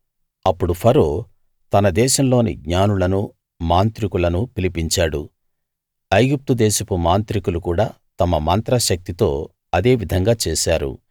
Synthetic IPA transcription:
ɐpːuɽupʰɐɾoː | t̪ɐnɐd̪ɛːʃɐmlo̞ːnḭɡɲaːnulɐnu | maːnt̪ɾikulɐnupilipiɲt͡ʃaːɽu | ɐjɡip̚t̪ud̪ɛːʃɐpumaːnt̪ɾikulukuːɽaː | t̪ɐmɐmɐnt̪ɾɐʃɐk̚t̪it̪o̞ː | ɐd̪e̞ːʋid̪ʱɐŋɡaːt͡ʃeːʃaːɾṵ

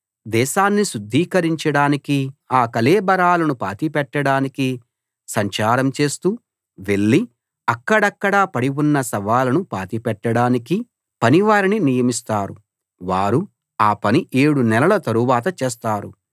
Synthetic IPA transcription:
d̪ɛːʃaːnːiʃud̪ʱːiːkɐɾiɲt͡ʃɐɽaːnikiaːkɐleːbɐɾaːlɐnupa̰ːt̪ipɛʈːɐɽaːniki | sɐɲt͡ʃaːɾɐmt͡ʃe̞ːst̪uː | ʋe̞ɭːi | ɐkːɐɽɐkːɐɽaːpɐɽiwunːɐsɐʋaːlɐnupaːt̪ipɛʈːɐɽaːniki | pɐniʋaːɾininijɐmist̪aːɾu | ʋaːɾu | aːpɐniʔeːɽunɛlɐlɐt̪ɐɾuʋaːt̪ɐt͡ʃeːs̬t̪aːɾṵ

